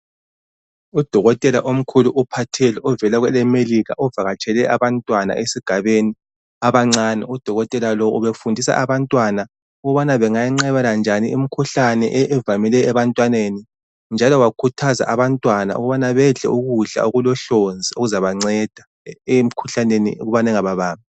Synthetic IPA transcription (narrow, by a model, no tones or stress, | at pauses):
ud̥ʱɔɣɔtʼɛlaʔom̩kʰuluʔupʰatʰɛlɛɔvɛlaɣwɛlɛmeliɣa̰ʔɔvaɣat͡ʃʰʼɛlɛaβantʼwana̰ʔesiɡ̥ʱaβeni | aβaŋ͡ǀanɛ̰ud̥ʱɔɣɔtʼɛlalɔuβefundʱisa̰ʔaβantʼwana | uɣuβanaβɛŋajiŋ͡ǀɛβaland͡ʒʱaniimikʰuɬanɛʔɛːvamilɛːβantʼwaneni | nd͡ʒʱalɔwakʰutʰaza̰ʔaβantʼwana̰ṵɣuβanaβɛɮɛ̰uɣuɮa̰uɣulɔɬond͡zʱioɣuzaβaŋ͡ǀɛd̥ʱa | em̩ikʰuɬanenḭṵɣuβanaɛŋaβaβaːmi